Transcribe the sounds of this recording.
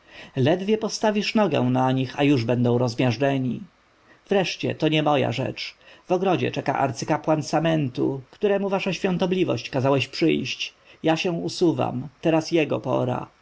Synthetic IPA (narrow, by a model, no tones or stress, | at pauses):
lɛd̪vʲjɛpɔst̪avʲiʂnɔɡɛ̰̃naɲixajuʐbɛnd̪ɔ̃w̃ɾɔzmʲjaʐɖɛɲi | v̥ɾɛʂt͡ɕɛ̰t̪ɔɲɛmɔja̰ʐɛ̰t͡ʂv̥ɔɡɾɔd͡ʑɛ̰t͡ʂɛka̰ʔa̰ɾt̪sɘkapwansamɛnt̪ṵkt̪uɾɛmuvaʂaɕfʲjɔ̃nt̪ɔblʲivɔ̰ɕt͡ɕkazawɛɕpʂɘ̰jɕt͡ɕ | jaɕɛw̃usuva̰mt̪ɛɾasjɛɡɔ̰pɔ̰ɾa̰